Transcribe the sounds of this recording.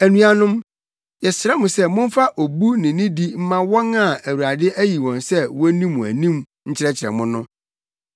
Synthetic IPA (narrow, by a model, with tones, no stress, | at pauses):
æ˨nũ˨˦a˨nʊ̃˦m | jɛ˨sɪ˨ɾɛ˦mʊ̃˨sɛ˦mʊ̃˦m˦fa˦ʔo˨bu˦nɪ̃˨nĩ˦di˦m̩˦mã˦wɔ̃˦nã˨æ˨wu˨ɾa˨dɪ˦ʔæ˦ji˨wɔ̃˨nsɛ˦wɔ˦nĩ˦mːʊ̃˨æ̰˨nĩ˦m | ɲ̩˦t͡ɕʰɪ˦ɾɛ˦t͡ɕʰɪ˨ɾɛ̰˨mʊ̃˦nʊ̃˦